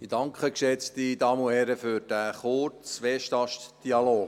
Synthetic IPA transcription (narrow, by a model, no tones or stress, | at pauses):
idɑŋkʰχəkʃɛt͡st̪idɑːməohɛɾəfʏɾd̥æːχʊɾt͡sʋɛʃtɑʃtd̥iɑloːɡ